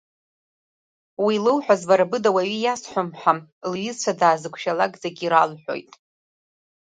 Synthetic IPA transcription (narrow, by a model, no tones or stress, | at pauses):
wilɨwħʷᶣazvaɾabɨdawaɥijasħʷʊmħamlɥɪzt͡ʃʷʰadaːzɨkʷʰʃalaɡʼd͡zaɡʲiɾalħʷᶣo̞̰jtʼ